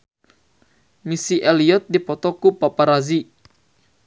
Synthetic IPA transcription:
misiʔɛliɔt̪̚dipɔt̪ɔkupapaɾazi

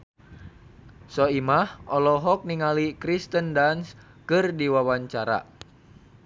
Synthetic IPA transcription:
sɔimahɔlɔɦɔk̚niŋalikɾist̪əndans | kɨrdiwawaɲt͡ʃaɾa̰

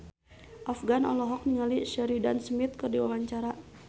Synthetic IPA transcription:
ʔafɡanɔ̰lɔɦɔk̚niŋaliʃəɾidansmit̪̚kərdiwawaɲt͡ʃaɾa

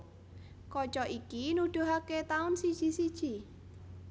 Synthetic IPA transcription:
kɔt͡ʃɔʔikinud̪̥ṳɦaket̪aʊnsid̥ʒ̥i̤sid̥ʒ̥i

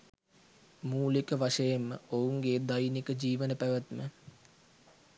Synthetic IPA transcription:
muːlikəʋaʂəjemːəouŋɡeːd̪ajnikəd͡ʑiːʋənəpæʋət̪mə

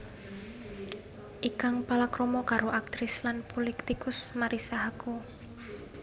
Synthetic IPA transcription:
ʔikaŋpalakɾomɔkaɾoʔak̚t̪ɾɪslanpolikt̪ikʊsmaɾisaɦaku

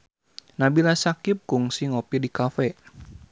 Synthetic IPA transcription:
nabilasakɪp̚kʊŋsiŋɔpidikafɛ

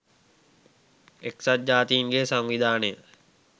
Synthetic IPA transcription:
eksat̪̚d͡ʒaːt̪iːŋɡeːsaŋʋid̪ʱaːnəjə

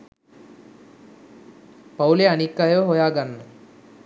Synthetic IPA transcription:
pɐwleɐnikːaːjɐʋəɦojaːɡɐnːɐ

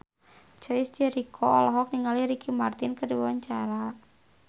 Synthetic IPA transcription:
t͡ʃɔisd͡ʒɛɾikʰɔɔlɔɦɔk̚niŋaliɾikʰimart̪ɪnkədiwwaɲt͡ʃaɾa

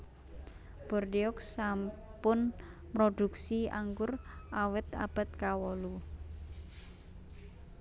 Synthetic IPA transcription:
b̥ɔrdiɔksampʊnpɾoɖ̥uk̚sia̰ŋɡʊrawɪt̪a̰b̥a̤t̪̚kawɔlu

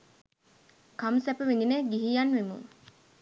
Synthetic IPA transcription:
kamsæpəʋind̪ineɡiɦijanʋimṵn

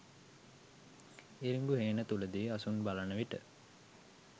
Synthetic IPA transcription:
iɾiŋɡuɦeːnət̪uləd̪iɐsunbalanəʋiʈə̰

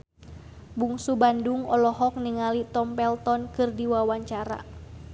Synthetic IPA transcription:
buŋsubanduŋɔlɔɦɔk̚niŋalit̪ɔmpɛlt̪ɔnkɨrdiwawaɲt͡ʃaɾa̰

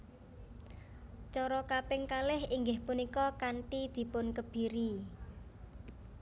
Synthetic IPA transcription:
t͡ʃɔɾɔkapɪŋkalɪhiŋɡɪhpunikɔkaɳʈid̪̥i̤pʊnkəb̥i̤ɾi

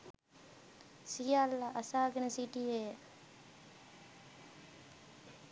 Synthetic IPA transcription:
sijaːlːaʔɐsaːɡenɐsiʈieː

